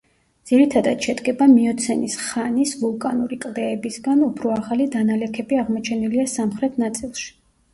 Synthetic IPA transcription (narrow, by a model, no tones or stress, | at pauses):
d̪z̥iɾit̪ʰad̪at̪ʃɛd̪ɡɛbamiɔt̪sʰɛnisχanisvulˠkʼanuɾikʼlˠd̪ɛːbisɡanupʰɾɔaʁalid̪analɛkʰɛbiaʁmɔt͡ʃʰɛniliasamχɾɛt̪ʰnat̪sʼilˠʃi̥